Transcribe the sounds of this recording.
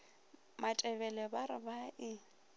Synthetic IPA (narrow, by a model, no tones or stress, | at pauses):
matʼɛbɛlɛbaɾɪbaʔɪ